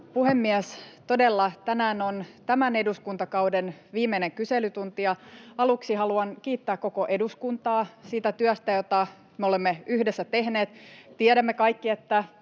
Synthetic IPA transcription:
puhemːiɛst̪o̞delːɑt̪ænæːnont̪æmæne̞duskunt̪ɑkɑudenʋiːmːeneŋkyselyt̪unt̪ijɑɑluksihɑluɑnkiːt̪ːæːkːo̞koʔe̞duskunt̪ɑːsiːt̪æt̪yœst̪æjot̪ɑ | meolemːeyhdesːæt̪ehneːt̪t̪iɛɾæmːekɑikːiet̪ːæ

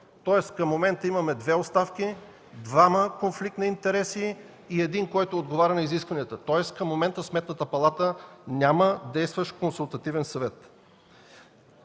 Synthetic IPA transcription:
t̪ɔɛskɐmːomɛnt̪əiməmɛd̪vɛotst̪afki | d̪vaməkonflik̚t̪nɐint̪ɛɾɛsiː | ɛd̪inkɔjt̪oːd̪ɡovaɾʲənɐiziskvɐnijət̪ət̪ɔɛskəmːomɛnt̪əsmɛt̪nət̪əpɐlˠat̪ənʲaməd̪ɛjst̪vəʃkonsulˠt̪ɐt̪ivɛnsɐvɛt̪

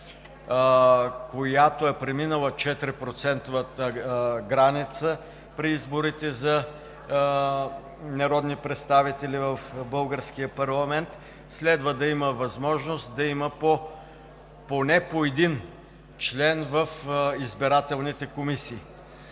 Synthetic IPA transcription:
kojat̪oɛpɾɛminəlˠət͡ʃɛt̪ɾipɾot̪sɛnt̪ovət̪əɡɾanit̪sə | pɾiizboɾit̪ɛzɐ | nɐɾɔd̪nipɾɛt̪st̪avit̪ɛlʲivəfbɤlˠɡəɾskijəpɐɾlˠɐmɛnt̪ | slɛd̪vəd̪ɐiməvɐzmɔʒnost̪d̪ɐiməpo | ponɛpoɛd̪in | t͡ʃlɛnvəfizbiɾat̪ɛlˠnit̪ɛkomisiː

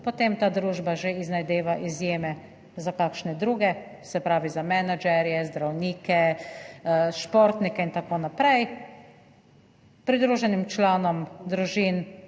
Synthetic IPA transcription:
pot̪eːmt̪aːd̪ɾuːʒbaʒeiznajd̪eːʋaʔizjeːmɛ | zakaːkʃnɛd̪ɾuːɡɛ | sɛpɾaːʋizamɛnad͡ʒɛɾjɛzd̪ɾawniːkɛ | ʃpoɾt̪nikɛint̪akoːnapɾɛj | pɾid̪ɾuːʒɛnimt͡ʃlaːnɔmd̪ɾuʒiːn

